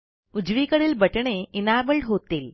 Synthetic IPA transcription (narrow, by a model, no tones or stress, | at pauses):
ud͡ʑʋiːkəɽiːlbəʈɳ̃einabəɭʈɦot̪iːl